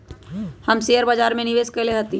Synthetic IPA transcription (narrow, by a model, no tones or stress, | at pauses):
hɐmsejəɾbad͡ʒaːɾmẽnɪʋeːskɐleɦɐt̪i